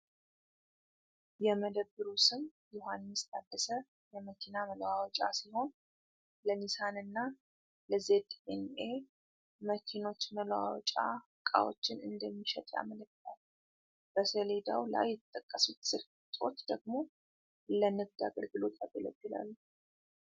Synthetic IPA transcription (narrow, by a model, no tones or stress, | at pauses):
jɛməd̪əbːɨɾusɨmjʊhanːɨst̪ʰʼad̪ːəsə | jɛməkʰinamələwawɔt͡ʃʼa̰siho̞n | lənisanɨnːa | ləzed̪ʼene | məkʰino̞t͡ʃməlwa̰wɔ̰t͡ʃʼa | kʼa̰wo̰t͡ʃːɪnɨnd̪əmːiʃət̪ʼa̰mələkːt̪ʰalː | b̥əsəled̪awla̰jːɛt̪t̪ʼːəkʼːəsut̪sɨɾf | t̪ʼo̞̰t͡ʃːd̪əɡmo̞ | lənɨɡ̚d̪a̰ɡəɾɡɨlo̞t̪ʰaɡɨlə̰bːɨla̰lːu